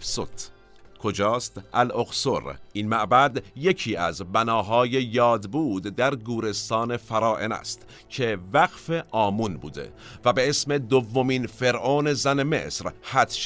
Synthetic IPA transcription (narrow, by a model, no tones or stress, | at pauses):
sot̪ | kʰo̞d͡ʒɒːst̪ʔælʔoɡsoɾʔiːnmæʔbæd̪je̞cʰiːæ̰zbænɒːɦɒːje̞jɒːd̪buːd̪ːæɾɡuːɾe̞st̪ɒːne̞fæɾɒːʔḛnæ̰st̪ | cʰevæɡfe̞ʔɒːmunbṵːd̪e̞̰væbe̞esme̞d̪ovːomiːnfe̞ɾʔoːne̞zæne̞me̞̰sɾhæt̪ʃ